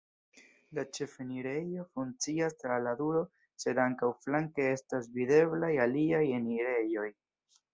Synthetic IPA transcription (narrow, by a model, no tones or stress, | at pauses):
lat͡ʃe̞feniɾe̞jo̞fuŋt͡siastɾaladuɾo̞ | se̞daŋkawflaŋke̞e̞stasvide̞blajaliajeniɾe̞jo̞j